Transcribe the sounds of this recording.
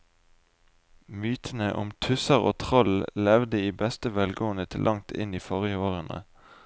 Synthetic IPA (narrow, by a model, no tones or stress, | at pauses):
myːt̪ʰənəʔʊ̰mt̪ʰʉsəʁo̰ːt̪ʰʁɔllɛʋd̪əiːbɛst̪əʋɛlɡoːənət̪ʰɪlʔɑŋt̪ʰɪ̰niːfɔʁjəoːʁənə̰